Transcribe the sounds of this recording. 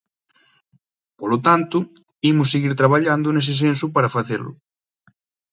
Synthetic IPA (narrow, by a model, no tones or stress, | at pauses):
polot̪ant̪ʊ | imʊs̬ːeɣiɾt̪ɾaβaʎand̪ʊnes̬es̬ens̬upaɾafaθelʊ̰